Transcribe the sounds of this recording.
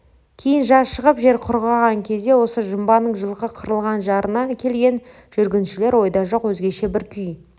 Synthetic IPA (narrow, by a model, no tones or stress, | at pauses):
kʲʰe̞jɪnʒɑsʃəʁəpʒe̞ɾqʰʊɾʁɑʁɑŋkʲʰe̞zd̪e̞wo̞səʒəmbɑnəɴʒəlˠqəqʰəɾəlˠʁɑnʒɑɾənɑkʲʰe̞lɡʲe̞n | ʒ̥ʏɾɡʲɪnʃɪle̞ɾwo̞jd̪ɑʒo̞qwɵzɡʲe̞ʃe̞bɪɾkʲʰʏj